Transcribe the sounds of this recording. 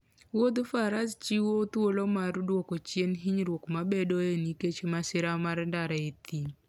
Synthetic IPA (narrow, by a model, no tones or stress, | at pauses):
wod̪faɾas̬t͡ʃiwot̪olomaɾdwokot͡ʃjenɦiɲɾwokmabedoeniket͡ʃemasɪɾamaɾndaɾaet̪ʰi